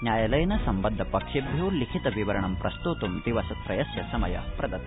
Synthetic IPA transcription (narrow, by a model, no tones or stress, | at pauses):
njaːjɐlɐjnɐsɐmbɐnd̪ʱːɐpɐkʂibʱjulikʰit̪ɐʋiʋɐɾɐɳɐmpɾɐst̪ut̪umd̪iʋɐsɐt̪ɾɐjɐsjɐsɐmɐjɐ̰pɾɐd̪ɐt̪